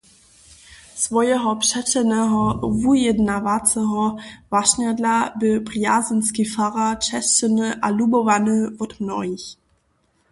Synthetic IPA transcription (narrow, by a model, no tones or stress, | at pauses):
svɔjɛɦɔpʂɛt͡ʃɛnɛɦɔvujɛdnavat͡sɛɦɔvaʃɲadlabɪpʁjazənskifaʁat͡ʃɛst͡ʃənɨʔa̰lubɔvanɨvɔt̪mnɔ̰ɦiç